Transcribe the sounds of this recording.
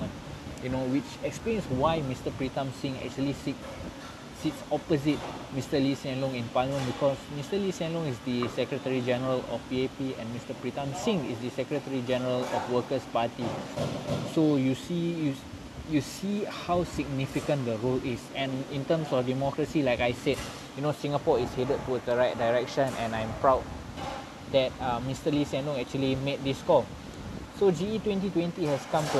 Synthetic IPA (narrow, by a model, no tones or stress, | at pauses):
n | junowit͡ʃɛksplẽnswajmistəpɹitãmsĩŋɛ̰k̚t͡ʃuəlisit | sitsɔpəzit̚mistəlisɛ̃nlɔ̃ŋĩnpalimə̃nbikʰɔsmistəlisɛ̃nlɔ̃ŋisdisɛkɹətəɹid͡ʒɛnəɹəlɔ̰fpiepiɛ̰̃nmistəpɹitãmsĩŋḭsdəsɛkɹətəɹid͡ʒɛnəɹəlɔ̰fwəkəspati | sojusiju | jusihawsiɡ̚nifikə̃ndəɹolisɛ̃nĩntə̃msɔfdimɔkɹəsilaɪkajsɛd | junosĩŋapɔishedəd̚tːuədəɹajt̚daɪɹɛk̚ʃə̃nɛ̃nãj̃mpɹawd̚ | d̪ɛt̚amistəlisɛ̃ndɔ̃ŋɛk̚t͡ʃuəlimet̚d̪iskɔl | sod͡ʒiitwɛ̃nt̬itwɛ̃ntihɛskãmtu